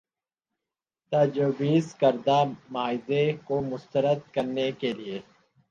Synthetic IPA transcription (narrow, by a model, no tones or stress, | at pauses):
t̪aːd͡ʒoːbiːzkəɾd̪aːmaːɪd̪ekomʊst̪əɾəd̪kəɾnekelieː